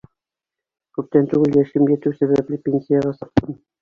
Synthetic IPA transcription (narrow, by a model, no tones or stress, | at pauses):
kʉp̚t̪ænt̪ʉɡɘljæʃɘmjæt̪ʉwsæβæplɘpʲenʲsʲijaʁɑsɤ̆q̚t̪ɤn